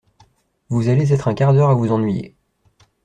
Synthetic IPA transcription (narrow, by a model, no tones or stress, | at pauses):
vuzalezɛt̪χɛ̃kaʁd̪œʁavuzɑ̃nɥijḛ